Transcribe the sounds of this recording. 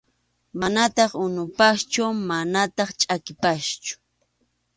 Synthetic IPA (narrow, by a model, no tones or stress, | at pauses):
manat̪ɑχʊnʊpaʃt͡ʃʊmanat̪ɑχt͡ʃʼakɪpaʃt͡ʃʊ̥